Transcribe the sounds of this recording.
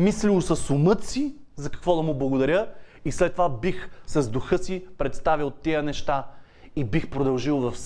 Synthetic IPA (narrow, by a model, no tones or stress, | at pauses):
mislilˠsɐsʊmət̪sizɐkɐ̥kvɔd̪ɐmʊblˠɐɡod̪ɐɾʲəislɛt̪ːovabixsɐzd̪ʊxɤsipɾɛt̪st̪avilˠt̪iənɛʃt̪a | ibixpɾod̪ɐlˠʒilˠvɐfs